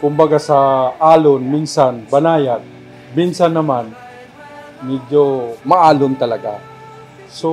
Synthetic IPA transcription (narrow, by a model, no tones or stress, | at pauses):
kʊmbaɡasaʔaːlonminsanbanaːjat̪̚ | minsanːɐman | mid͡ʒomaʔaːlʊnt̪ɐlɐɡa | so